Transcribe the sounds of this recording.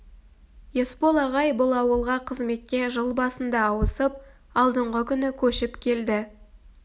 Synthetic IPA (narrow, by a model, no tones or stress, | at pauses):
je̞spo̞lˠɑʁɑjbʊlˠɑwəlˠʁɑqʰəzme̞t̪̚kʲe̞ʒəlˠbɑsənd̪ɑːwəsəp̚ | ɑlˠd̪əɴʁəkʲʰʏnɪkʲʰɵʃɪpkʲʰe̞ld̪ɪ